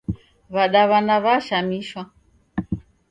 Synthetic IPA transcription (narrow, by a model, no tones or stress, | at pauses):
βaɗaβanaβaʃamiʃwa